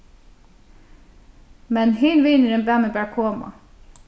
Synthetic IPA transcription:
mɛnɦɪːnʋiːnəɾɛnbæːmɛbæːɹkʰoːma̰

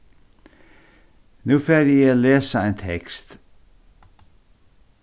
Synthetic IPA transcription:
nʉːføːɾioːleːsəæːnt̪ʰɛkst̪

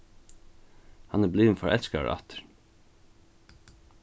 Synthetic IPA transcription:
hɑnæːbliːnfɔ̰ɹʔɛlskɑ̰ɹʔɑ̰t̪ʰə̥ɹ

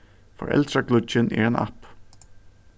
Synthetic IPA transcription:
fɔ̰ɾʔɛ̰lɑkʰlʉt͡ʃənʔḛːeːnʔɑ̰p

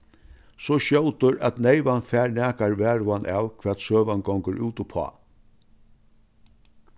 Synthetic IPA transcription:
sɔʃɔwt̪ʊɾʔæ̰t̪neɪʋanfæːɾnæːkaɹʋæːɾʊanʔaːwkʰvɛːt̪søːʋanɡɔŋkəɾʔuːt̪ʊpʰɔ̰ː

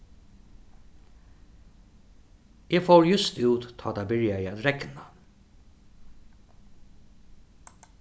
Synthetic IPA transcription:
ʔeːfowɹjʏst̪uːt̪t̪ʰːɑːt̪ʰabɪɹjaɪæt̪ɾɛkna

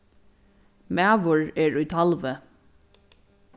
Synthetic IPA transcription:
mæːʋʊɹɛɹujt̪ʰalvə

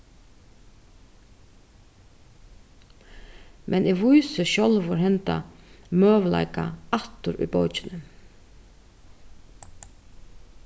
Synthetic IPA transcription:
mʔɛnʔiːʋuʏsəʃɔlʋoːɾhɛnt̪ɑ̰møːʋlɑ̰ɪkɑɑt̪ʊɾy̰ːboːt͡ʃənə

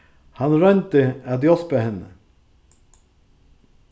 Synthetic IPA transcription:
hɑnɾœnt̪əad̪jɔspəhɛnə̰

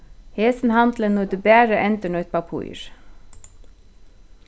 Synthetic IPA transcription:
heːsnhɑnd̪lənnɔd̪ʉːbæːɾəʔɛnt̪əɳɔːɛt̪̚bɑpʰṵʏɹ

